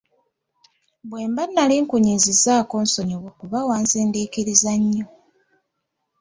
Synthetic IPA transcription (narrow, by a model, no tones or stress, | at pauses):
bweːmbanːaliːŋkuɲizizaːko̞ːnso̞ɲoβokuβawaːnzeːndiːkiɾizaɲːo